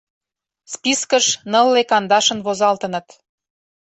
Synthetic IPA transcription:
spiskəʃnəlːekɑnd̪ɑʃə̆nβozɑlt̪ə̆nɤ̆t̪

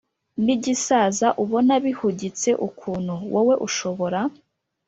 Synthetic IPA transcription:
niɟisaːzaʔuβo̞naβihuɟit͡se̞ʔukʰuːnhuwʔowe̞ʔuʃo̞βo̞ɾa

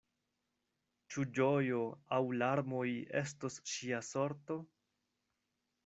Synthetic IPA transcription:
t͡ʃud͡ʒojo̞awlaɾmo̞je̞stosʃiaso̞ɾto̞

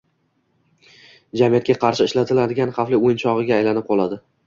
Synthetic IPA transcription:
d͡ʒamijat̪kʲaqʰɑɾʃɪɪʃlat̪ʰɪlad̪ɪɡʲanχɑflɪojnt͡ʃʰɒʁɨɡʲaːjlanɪp̚qʰɒlˠad̪ɪ

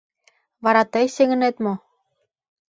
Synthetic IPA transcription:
βɑɾɑt̪ejseŋɘ̆net̪mo

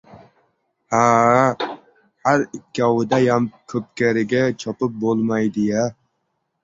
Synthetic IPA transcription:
ha | hæɾɪkʲʰːɑwɨd̪ɛjamkʲʰɵp̚kʲæɾɪɡʲɛt͡ʃʰɒpɨp̚bolˠmɑjd̪ɪjɛ

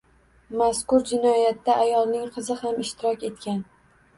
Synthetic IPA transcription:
maskʊɾd͡ʒɪnɒjat̪ːaʔajɒlˠnɪŋqʰɨzɪhamɪʃt̪ɪɾɒkʲe̞t̪kʲan

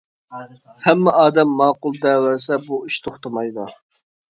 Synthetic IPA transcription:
hɛmːɛʔɑːd̪ɛmːɑːqʊlˠd̪ɛwæɾsɛbuiʃt̪ʰoχt̪ɑmɑjd̪u

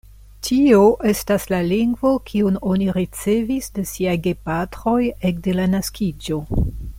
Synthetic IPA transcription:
tʰioʔe̞staslaliŋɡvo̞kʰiuno̞niɾit͡se̞visdesiajɡe̞patɾo̞jek̚de̞lanaskʰid͡ʒo̞

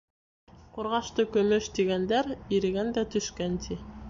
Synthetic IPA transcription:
quɾʁɑʃt̪ɤkɵ̆mɵʃt̪iɡænd̪æɾiɾɘ̆ɡænd̪æt̪ɵ̆ʃkænt̪ʰi

